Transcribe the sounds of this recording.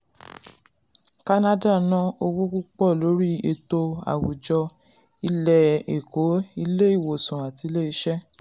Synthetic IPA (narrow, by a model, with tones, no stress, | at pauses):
ka˧na˦da˦˨nã˦o˧wu˦ku˦k͡pɔ˦˨lo˨˦ɾi˦e˧to˧a̰˨wu˨d͡ʒɔ˧ | i˧lɛ˨e˨ko˨˦i˧le˦i˦˨wo˨sũ˨a˨ti˧le˦i˧ʃɛ˦